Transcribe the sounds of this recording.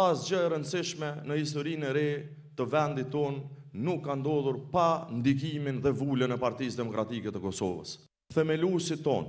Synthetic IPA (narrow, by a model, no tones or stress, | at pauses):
asd͡ʒɔɛɾənsiʃmɛnəhis̬t̪ɔɾinɛɾɛ | t̪əvɛnd̪it̪ːɔnːukːand̪ɔðuɾpand̪iɡ̬iminðɛvulənɛpaɾt̪isd̪ɛmɔkɾat̪ikɛt̪əkɔsɔ̰və̰s | θɛmɛlusit̪ɔ̰n